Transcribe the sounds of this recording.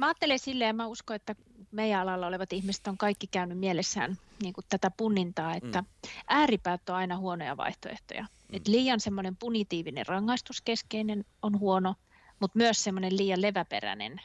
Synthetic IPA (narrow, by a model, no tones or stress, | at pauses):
mæɑːt̪ːelesilːejɑmæuskoet̪ːæ | meijæɑlɑlːɑoleʋɑt̪ihmisĕ̥t̪oŋkɑikːikæynymielesːæ̰ːnniːŋkutt̪æt̪æpunːint̪ɑːet̪ːæʔæːripæːt̪ːoɑinɑhuonojɑ̰ʋɑ̰iht̪oḛht̪o̰jɑ̰ | et̪liːjɑnsemːonempunit̪iːʋinḛrrɑŋːɑist̪uskeskeinenonhuono | mut̪myøssemːonelliːjɑleʋæpḛræ̰nḛn